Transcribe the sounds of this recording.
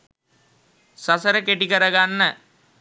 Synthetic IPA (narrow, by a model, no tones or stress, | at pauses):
sasəɾəkeʈikəɾəɡanːə